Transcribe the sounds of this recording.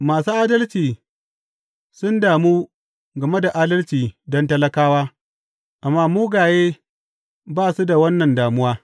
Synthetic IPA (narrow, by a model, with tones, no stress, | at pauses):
maː˨suː˦ʔaː˦dɐ˦lt͡ʃiː˨ | sʊ˦ndaː˨muː˦ | ɡɐ˨me˦da˨ʔaː˦dɐ˦lt͡ʃiː˨dɔ˦ntɐ˦lɐ˦kaː˦waː˦ | ʔa˨mːaː˦muː˦ɡaː˨jeː˦ | baː˦˨su˦da˨wɐ˦nːɐ˨ndaː˨mʊ˦waː˦